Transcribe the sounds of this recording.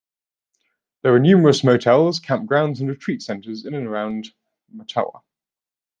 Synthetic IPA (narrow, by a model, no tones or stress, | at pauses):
ðəwənjʉːməɹəsməʊtʰɛlˠz̥kʰãmp̚ɡ̥ɹãʊ̃ndzə̃nɹɪtʰɹ̥iˑtsɛ̃ntəzɪ̃nə̃nəɹãʊ̃nd | mətʰa̰ʊə̰